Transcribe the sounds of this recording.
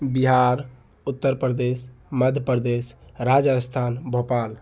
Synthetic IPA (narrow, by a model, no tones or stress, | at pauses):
biɦaɾ | ut̪ːəɾpɾd̪esməd̪ʱjəpəɾd̪esɾad͡ʒəst̪ʰanbʱopal